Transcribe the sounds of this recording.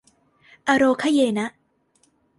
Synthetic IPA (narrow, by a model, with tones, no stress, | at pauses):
ʔa˧ɾoː˧kʰa˦˥jeː˧na˦˥ʔ